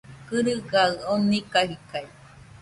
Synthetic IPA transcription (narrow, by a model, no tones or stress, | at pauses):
kɨɾɯɡaɯonikaɦikai